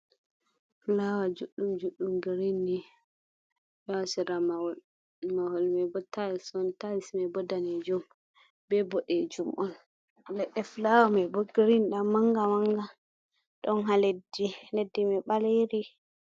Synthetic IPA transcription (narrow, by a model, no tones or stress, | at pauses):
flawad͡ʒuɗːumd͡ʒuɗːumɡiɾindi | ɓɛwasiɾamaw | mahɔlmɛbɔtːaisɔntaismɛbɔdanɛd͡ʒɔm | bɛbɔɗɛd͡ʒumʔɔn | lɛɗɛflawamɛbɔɡiɾinɗamːaŋɡamaŋɡa | ɗɔnɦaledinedːimɛɓaleɾi